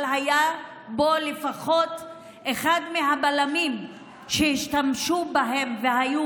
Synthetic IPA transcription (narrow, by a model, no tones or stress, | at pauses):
lɦaja | bo̞lefaχo̞t̪ | eχad̪meɦabalamim | ʃehiʃtamʃubaɦe̞mveɦaju